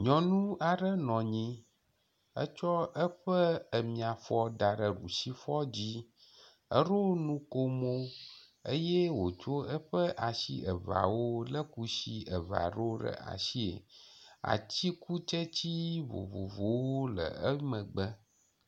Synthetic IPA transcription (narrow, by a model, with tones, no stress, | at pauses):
ɲɔ̃˨nũ˦a˨ɖə˦nɔ̃˨ɲĩ˦ | ə̰˦t͡ʃɔ˦ə˦ɸə˦ə˨mĩ˨a˨fɔ˦ɖa˨ɖə˨ɖṵ˨si˦fɔ˦d͡ʑi˦ | ə˦ɖo˦nũ˦ko˦mo˦ | ə˦jɛ˦wo˨t͡ʃo˦ə˦ɸə˦ʔa˨sḭ˦ə˨va̰˨wo˦lə˦ku˦si˦ə˨va̰˨ɖo˦ɖə̰˨ʔa̰˨si˦ḛ˨a̰˨t͡ɕi˦ku˦t͡ʃə˦t͡ɕi˦vo̰˨vo̰˨vo˨wo˦lə̰˨ə˦mə̃˨ɡ͡bə˦